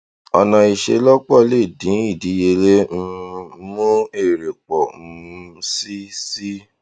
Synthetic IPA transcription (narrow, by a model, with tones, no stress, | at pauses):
ɔ˧nã˧i˧ʃḛ˧lɔ˦k͡pɔ˦˨le˦˨dĩ˨˦i˦˨di˨˦je˧le˦m̩˦mũ˦e˦˨ɾe˨k͡pɔ˨m̩˦si˦si˦